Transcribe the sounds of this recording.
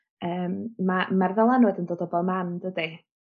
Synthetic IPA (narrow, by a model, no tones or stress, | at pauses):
əːmmamarvɛlˠanwɛdəndoːdɔbɔlˠmandədi